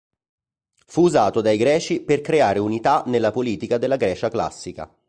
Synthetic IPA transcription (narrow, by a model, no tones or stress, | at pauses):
fuːzaːt̪od̪ajɡɾɛːt͡ʃiperkɾeaːɾeunit̪anelːapoliːt̪ikad̪elːaɡɾɛːt͡ʃakla̰sːika̰